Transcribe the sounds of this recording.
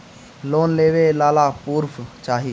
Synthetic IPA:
loːnleːʋeːlaːlaːpuːɾpʰt͡ʃaːɦiː

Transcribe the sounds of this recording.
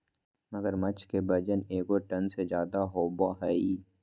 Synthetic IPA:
mɐɡəɾmɐt͡ʃʰkebɐd͡ʒəneːkoʈɐnsed͡ʒjaːd̪aɦoːbaɦɛi

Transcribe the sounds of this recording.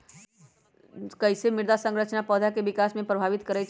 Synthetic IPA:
kəɪsemɪɾd̪asə̃ŋɡɾət͡ʃnapɔːd̪ʱjakeʋɪkaːsmẽpɾəbʱaːʋɪt̪kəɾɛt͡ʃʰ

